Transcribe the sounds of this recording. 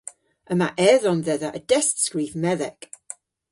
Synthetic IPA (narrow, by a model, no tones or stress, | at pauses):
əma̰ʔɛðɔnðɛðaʔədɛstskɹiːvmɛðɛɡ̥